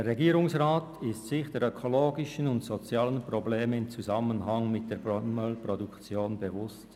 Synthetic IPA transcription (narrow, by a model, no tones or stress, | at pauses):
ereɡiːɾʊŋsʁaːtɪstsɪçd̥eːɾøkʰoloːɡɪʃənʊntsot͡sjaːlənpʁobleːməɪmt͡suzamənɦaŋmɪt̚d̥eːpomœlpʁodukt͡sjoːnbevʊst